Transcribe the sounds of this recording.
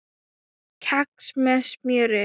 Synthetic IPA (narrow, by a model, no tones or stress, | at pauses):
kʰaksmɛsmjœɾɪ